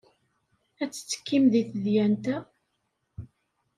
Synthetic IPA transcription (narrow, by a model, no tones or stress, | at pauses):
æt͡sːə̥t͡sːə̥kːimðiθəðjænt̪æ